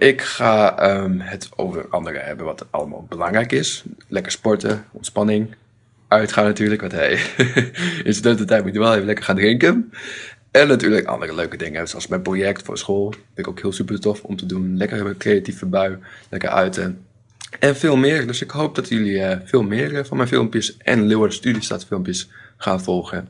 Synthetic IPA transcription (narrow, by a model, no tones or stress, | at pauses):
ʔɪkxaəmhəto̰wvə̰rɑ̰ndərə̰hɛ̰bənʋɔtɑ̰lˠəma̰lbəlaŋrɛjkɪslɛkəɹspɔɹtəɔntspɑnɪŋ | œɥtχaːnatyːəɹləkʋɔthɛ̰j | ɪnsdøtətɛmitʋɛlˠeəlɛkərχaːndrɪŋkən | ɛnatyːləkɑ̰ndərəløːkədɪŋədsɔ̰lˠsmɛjnprojɛk̚tfo̰sxoːlˠfɪnɪkowkhiəlˠsypərtɔfɔ̰mtədunlɛkərkrejatifəbaɥlɛkə̰rœ̰ɥtʰə | ʔɛnfɪːlˠmɪːrdøsɪkhowp̚d̥ɔtjøliəfɪːlˠmɪːrəfɔnmɛjnfɪ̰lˠmpjəsʔɛ̰nlowərdstydista̰tfɪlˠmpjəsxaːnfɔlˠxə